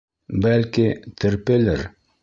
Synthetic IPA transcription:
bælkʲɪt̪ʰɘɾpelɘɾ

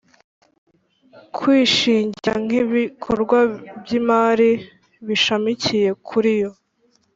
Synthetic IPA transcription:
kʰwiːʃiːɲɟiɾaŋ̥iβikʰoɾɡwabjimaɾi | βiʃamicije̞kʰuɾijo̞

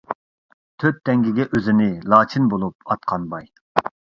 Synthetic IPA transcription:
t̪ʰøt̪̚d̪ɛŋɡʲiɡʲɛʔøzɪnɪlˠɑːt͡ʃʰinbolˠup̚ɑt̪̚qʰɑnbɑj

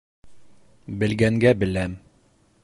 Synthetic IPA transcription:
bɘ̆lɡæŋɡæbɘ̆læm

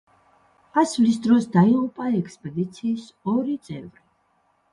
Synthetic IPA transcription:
asvlisd̪ɾɔsd̪aiʁupʼaɛkspʼɛd̪it̪sʰiːs | ɔɾit̪sʼɛvɾi

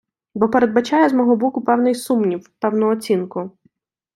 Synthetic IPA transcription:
bɔpeɾed̪̚bɐt͡ʃajɛzmɔɦɔbɔkʊpɛwnɪjsumnʲiwpɛwnʊɔt͡sʲinkʊ

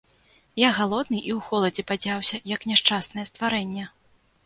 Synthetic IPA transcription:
jaɣalˠɔd̪nɨʔiwxɔlˠɐd͡zʲɛpad͡zʲawsʲɐjɐknʲɛʂt͡ʂasnɐjɛst̪vaɾɛnʲːɛ

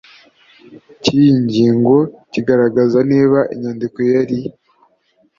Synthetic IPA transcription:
cijiɲɟiːŋɡo̞ciɡaɾaɡazaneːβaʔiɲandiko̞jaɾi

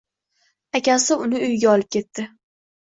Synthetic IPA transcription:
akʲasɪʊnɪʊjɡʲaɒlɪp̚kʲʰe̞t̪ʰːɪ

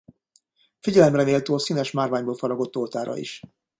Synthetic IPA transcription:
fiɟɛlɛmrɛneːlt̪øːɒsiːnɛʃmaːrvaːɲboːlfɒɾɒɡo̞t̪ːolt̪aːɾɒ̰ḭʃ

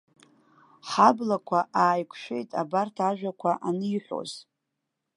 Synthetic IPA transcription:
ħablakʷʰaʔaːjkʷʰʃᶣe̞̰jtʼabartʰaʒᶣʷakʷʰaʔanɨiħʷᶣo̞̰z̥

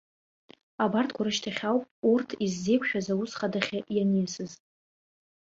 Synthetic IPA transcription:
abartʰkʷʰaɾɨʃtʰaχʲawpʼurtʰizːe̞jkʷʰʃᶣazawusχadaχʲaʔjanesɨztʼ

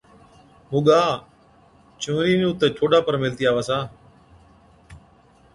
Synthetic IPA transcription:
mʊːɠaː | t͡ʃũːɾiːnũːt̪ət͡ʃʰoːɖaːpəɾmɪlt̪iːaːʋaːsaː

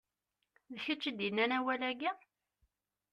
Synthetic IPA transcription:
ðçət͡ʃːəd̪inːænæwælæɡæ

